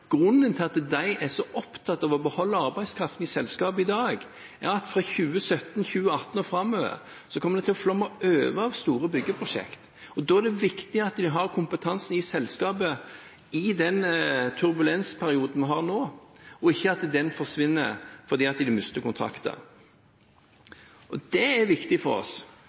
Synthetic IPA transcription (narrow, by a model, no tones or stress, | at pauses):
ɡ̥ɾʉnːənt̪ʰɪlɑt̪d̪æɪʔɛɾsɔʔɔpt̪ʰɑt̪ːɑʋɔbəhɔlːəɑɾbæɪ̥skʰɾɑft̪n̩ɪsɛlskɑːbəɪd̪ɑːɡ | ʔɛ̰ɾɑt̪fʁɑçʉːəsœt̪ːnçʉːəɑt̪ːn̩ɔfɾɑmːøːʋə̰ɾ | sɔkʰɔmːəd̪ɛt̪ɪlɔflɔmːɑʔøːʋəɑʋst̪uːɾəbʏɡːəpʰɾʊʂɛ̰kt̪ | ɔd̪oːæd̪ɛʋɪkt̪ɪɑt̪d̪ɪɦɑɾkʰʊmpət̪ʰɑnsnɪsɛlskɑːpə | ɪd̪ɛnt̪ʰʉɾbʉlɛnspʰæɾɪuːd̪n̩ʋɦɑɾnoːɔɪçːəɑt̪d̪ɛnfɔʁʂʋɪnːə̰ɾfɔɾd̪iːɑt̪d̪ɪd̪ɛmʉst̪əkʊnt̪ʰɾɑ̰kt̪ə̰ | ʔɔd̪ɛæɾʋɪkt̪ɪfɔɾɔ̰s